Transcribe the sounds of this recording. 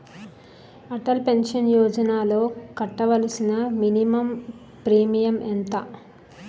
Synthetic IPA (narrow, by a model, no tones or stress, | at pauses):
ɐʈɐlpe̞nʂɐnjɔːd͡ʒɐnaːlo̞ːkɐʈːɐʋɐlisinɐminimɐm | pɾiːmijɐmʔent̪ɐ